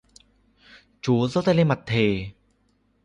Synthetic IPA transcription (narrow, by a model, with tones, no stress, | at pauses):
t͡ɕuː˨˦so˥˧˥t̪a˧le˧ma˨˩t̪ʰːeː˧˩